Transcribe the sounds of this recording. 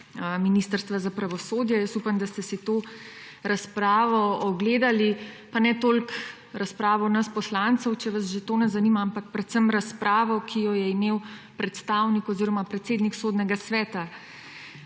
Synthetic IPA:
minist̪əɾst̪ʋazapɾaʋɔsoːd̪jɛjəst̪upamd̪ast̪ɛsit̪oː | ɾaspɾaːʋɔɔɡleːd̪alipanɛt̪olk | ɾaspɾaːʋɔnɐspɔslant̪sɔwt͡ʃɛʋasʒet̪oːnɛzanimaampak̚pɾɛt̪səmɾaspɾʔaːʋɔkʰijɔjɛimew | pɾɛt̪st̪awnikɔziːɾɔmapɾɛt̪seːd̪niksoːd̪nɛɡasʋɛːt̪a

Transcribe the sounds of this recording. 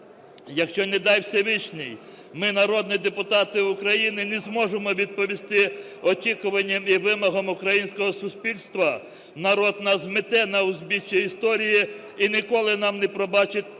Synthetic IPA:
jɐkʃt͡ʃɔnɛd̪ɑjwsʲɐʋɪt͡ʃnɪj | mɪnɐɾɔd̪nid̪epʊt̪ɑt̪ɪʊkɾɐjinɪnɛzmɔʒemɔʋʲid̪̚pɔʋʲist̪ɪ | ɔt͡ʃʲikʊʋɐnʲːɐmiʋɪmɔɦɔmʊkɾɐjinʲsʲkɔɦɔsʊspʲilʲst̪ʋɐ | nɐɾɔd̪̚nɐzmɪt̪ɛnɐʊzbʲit͡ʃiist̪ɔɾʲijiː | nʲɪkɔlˠɪnɑmnɛpɾɔbɑt͡ʃɪtʲ

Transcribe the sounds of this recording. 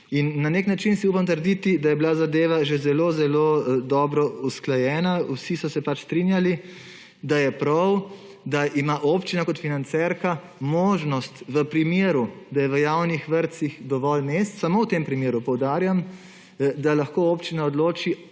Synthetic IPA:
inːaneknat͡ʃinsiuːpamt̪əɾd̪it̪id̪ajɛbilazad̪eːʋaʒezɛlozɛlod̪ɔːbɾɔusklajɛːnawsisɔsɛpat͡ʃst̪ɾinjali | d̪ajɛpɾɐw | d̪aʔimaʔopt͡ʃinakɔt̪finant̪sɛɾka | moːʒnɔst̪ʋəpɾimeːɾud̪ajɛʋəjawnixʋəɾt̪sixd̪ɔʋɔlmeːst̪samowt̪empɾimjeːɾupɔwd̪aːɾjam | d̪alaxkoːoːpt͡ʃinaɔd̪loːt͡ʃi

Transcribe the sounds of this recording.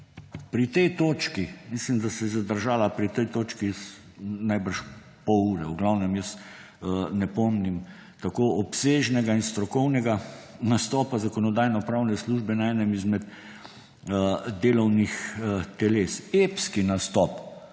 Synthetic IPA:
pɾit̪ɛjt̪oːt͡ʃkimislimd̪asɛzad̪əɾʒaːlapɾit̪ɛjt̪oːt͡ʃkis | najbəɾʃ | pɔuːɾɛuɡlawnɛmjəs | nɛpɔmnim | t̪akoɔpseʒnɛɡainst̪ɾɔkɔwnɛɡanast̪ɔːpazakɔnɔd̪aːjnɔpɾawnɛsluːʒbɛnaɛːnɛmizmɛt̪ | d̪eːlɔwnixt̪ɛleːsepskinast̪ɔp

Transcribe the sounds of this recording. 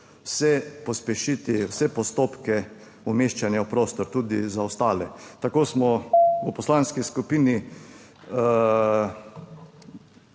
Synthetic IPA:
wsɛpɔspɛʃit̪iwsɛpɔst̪oːpkɛ | umeːʃt͡ʃanjaupɾoːst̪ɔɾt̪uːd̪izaɔst̪aːlɛt̪akoːsmɔəpɔslanskiskupini

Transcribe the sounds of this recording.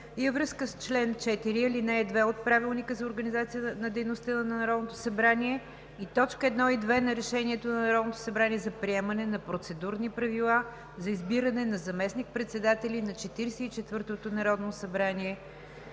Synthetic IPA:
ivəvɾɤskəst͡ʃlɛnt͡ʃɛt̪iɾiilinɛɛd̪vɛot̪̚pɾavilˠnikəzɐoɾɡənizat̪sijənɐd̪ɛjnost̪ənnɐnɐɾɔd̪not̪osɐbɾaniɛ | it̪ɔt͡ʃkəɛd̪nɔid̪vɛnɐɾɛʃɛnʲiɛt̪onɐnɐɾɔd̪not̪o̥sɐbɾaniɛzɐpɾiɛmɐnɛnɐpɾot̪sɛd̪uɾnipɾɐvilˠa | zɐizbiɾənɛnɐzɐmɛsnik̚pɾɛt̪sɛd̪at̪ɛlʲinɐt͡ʃɛt̪iɾɛsɛit͡ʃɛt̪vɤɾt̪ot̪onɐɾɔd̪nosɐbɾaniɛ

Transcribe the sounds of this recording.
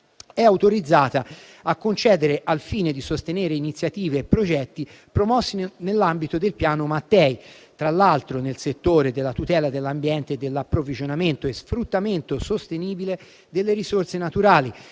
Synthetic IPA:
ɛawt̪oɾid̪zːaːt̪a | akːont͡ʃɛːd̪eɾeʔalfiːned̪isost̪eneːɾeinit̪sːjat̪iːveːpːɾod͡ʒɛt̪ːi | pɾomɔsːinelːambit̪od̪elpjaːnomat̪ːɛjt̪ɾalːalt̪ɾonelset̪ːoːɾed̪elːat̪ut̪ɛːlad̪elːambjɛnt̪ed̪ːelːapːɾovid͡ʒonament̪oesfɾut̪ːament̪osost̪eniːbile | d̪elːeɾisort̪senat̪uɾaːli

